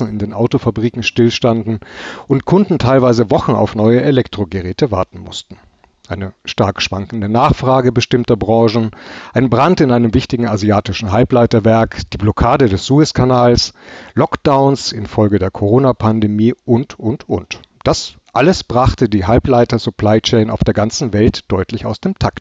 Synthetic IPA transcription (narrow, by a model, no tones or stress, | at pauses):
n̩ɪndeːnʔaʊtofabʁiːkŋ̩ʃtɪlʃtandn̩ʔʊntkʰʊndn̩tʰaɪlvaɪzəvɔχn̩a̰ʊfnɔʏəʔelɛktʁ̥oɡəʁɛːtəvaɐtn̩mʊ̰stn̩ | ʔaɪnəʃtaɐkʃv̥a̰ŋkn̩dənaːχfʁ̥aːɡəbəʃtɪmtɐbʁɑ̃ːʒn̩ʔaɪnbʁantɪnʔaɪnəmvɪçtɪɡŋ̩aziaːtɪʃn̩ɦalplaɪtɐvɛɐkd̥iːblɔkʰaːdədɛsz̥uɪskʰanaːlslɔkd̥aʊnsɪnfɔlɡədeːɐkʰoʁoːnapʰandemiːʔʊntʔʊntʔʊnt | d̥asʔaləsb̥ʁaχtədiːɦalplaɪtɐzupʰl̥aɪt͡ʃɛːna̰ʊfd̥eːɐɡant͡sn̩vɛltd̥ɔʏtlɪçaʊsd̥eːmtʰakt